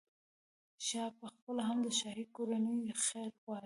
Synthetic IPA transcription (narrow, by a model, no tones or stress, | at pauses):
ʃɑpəxpəlaɦamd̪əʃɑɦikoɾanəjxeɾxɑ